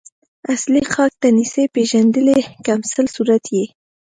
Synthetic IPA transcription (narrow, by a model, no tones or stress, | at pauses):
aslixɑk̚d̪anisepeʒand̪əlekamsəlsuɾat̪je